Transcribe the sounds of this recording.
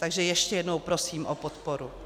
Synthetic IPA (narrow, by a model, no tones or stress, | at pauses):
t̪aɡʒɛjɛʃcɛjɛdnowpɾosiːmʔopot̪poɾu